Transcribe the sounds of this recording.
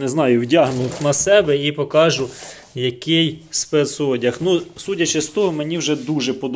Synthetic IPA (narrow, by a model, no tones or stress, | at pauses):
neznɑjʊwdʲɑɦnʊnɐsɛbɛipɔkɑʒʊ | jɐkʲɪjspɛt̪sɔdʲɐxnusutʲɐt͡ʃɛst̪ɔɦɔmenʲiwʒɛd̪uʒɛpɔd̪